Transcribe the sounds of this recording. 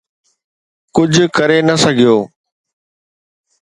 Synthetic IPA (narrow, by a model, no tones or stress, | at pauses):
kʊd͡ʑʱʊkɐɾenɐsɐɡʱijoː